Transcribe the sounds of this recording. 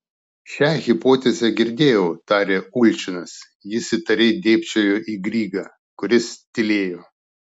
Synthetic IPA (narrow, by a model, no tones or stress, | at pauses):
ʃʲæɣʲɪpoːt̪ʲezʲɛɡʲɪɾʲd̪ʲeːjɛʊt̪ɑːɾʲeːʊlʲt͡ʃʲɪnɐs | jɪsʲɪt̪ɐɾʲeːd̪ʲeːpʲt͡ʃʲoːjoːʔiːɡɾʲiːɡɑː | kʊɾʲɪst̪ʲɪlʲeːjoː